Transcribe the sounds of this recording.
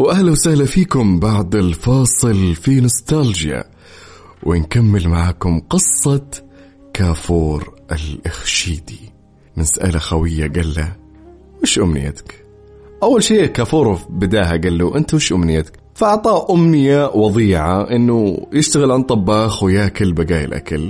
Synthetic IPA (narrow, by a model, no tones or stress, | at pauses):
wʔahlawsahlafiːkʊmbɑʕd̪ˤɪlfɑːsˤɨlfinʊst̪ald͡ʒja̰ | wʔɪnkamːɪlmaʕaːkʊmqɨsˤːɑt̪ | kʰaːfuːɾʔɪlʔɪxʃiːd̪i | mɪnsʔa̰laxawɪjːaɡalːa | wɪʃʔʊmnɪ̰jːa̰t̪ḁk | ʔawːalʃiːʔkaːfuːɾˤbɪd̪aːhaɡalːuʔɪnt̪mɪʃʔʊmnɪjːat̪k | faʔɑʕt̪ˤɑːʔʔʊmnɪjawɑðˤiːʕaʔɪnːʊjɪʃt̪aɣɪlʕant̪ˤːɑbːɑːxwjaːkalbaɡaːjɪ̰lʔa̰kal